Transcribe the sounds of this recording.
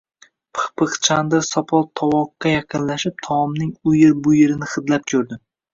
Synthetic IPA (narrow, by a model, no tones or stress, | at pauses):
pʰɨ̥χpʰɨχt͡ʃʰand̪asɒpʰɒlˠt̪ʰɒwɒqːɑjɑqʰɨnlaʃɪp̚t̪ʰɒmnɪŋʊjɪɾbʊjeɾɪnɪχɨd̪lap̚kʲʰɵɾd̪ɪ